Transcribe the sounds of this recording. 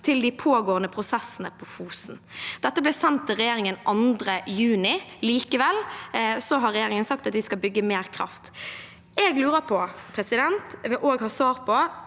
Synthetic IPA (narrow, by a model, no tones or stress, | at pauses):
t̪ʰɪld̪ɪpʰoːɡoːənəpʰɾʊsɛsənəpʰɔfuːsn̩d̪̥ɛt̪ːəblɛːsɛnt̪ʰːɪlʁɛjeːɾɪŋənʔɑnd̪ɾəjʉːnɪliːkəʋɛlsɔɦɑɾɛjeːɾɪŋənsɑk̚t̪ɑt̪ʋɪskɑlbʏɡːəmeːɾkʰɾɑ̰ft̪ | ɛɡlʉːɾəpʰɔpʰɾɛsɪd̪ɛnt̪ʋɛʔoːɡhɑːsʋɑːɾpʰɔ